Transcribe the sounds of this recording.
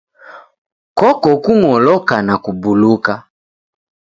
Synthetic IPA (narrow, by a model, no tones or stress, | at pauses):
kɔkɔkuŋɔlɔkanakubuluka